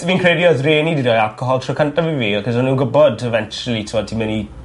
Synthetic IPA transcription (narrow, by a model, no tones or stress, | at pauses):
viːnkʰredjɔðreːnidiɾɔjalˠkʰɔɦɔlˠtʰrɔwkʰəntaviviːakɔsɔnuːɡəbɔdɛvɛnt͡ʃulˠitʰɪmɔd̚tʰimɛni